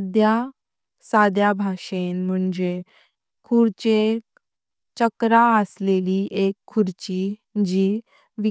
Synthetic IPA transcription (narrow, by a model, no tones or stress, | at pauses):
d̪ja | sad̪jabʱaʂenm̤əɳd͡ʑe | kʰuɽt͡ɕe | t͡ɕəkɾaəsleliʔekʰːuɾt͡ɕiː | d͡ʑiː | ʋi